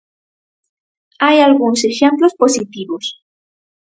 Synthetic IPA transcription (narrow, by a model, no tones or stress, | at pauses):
ajalɣunosexemplosposit̪iβos